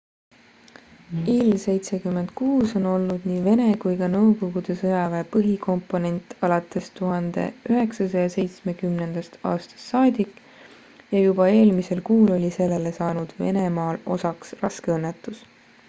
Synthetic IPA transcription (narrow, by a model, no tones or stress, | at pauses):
ilse̞jt̪se̞kymːe̞nd̪̥kuːso̞no̞lnud̪̥niːve̞ne̞kujkɑnɤwko̞ɡud̪̥e̞sɤjɑveːpɤɦikʰo̞mpˑo̞ne̞nʲt̪ːˑɑlɑt̪ːˑe̞st̪uɦɑnd̪̥e̞̰yɦe̞ksɑsɑjɑse̞jt̪sme̞kymne̞nd̪̥ɑst̪ɑ̰ːst̪ɑ̥st̪ːɑːd̪ʲikːˑ | jɑjubɑe̞ːlmise̞lkuːlo̞lʲise̞lːe̞le̞sɑːnud̪̥ve̞̰ne̞mɑːlo̞sɑksrɑskeɤnːet̪ːˑus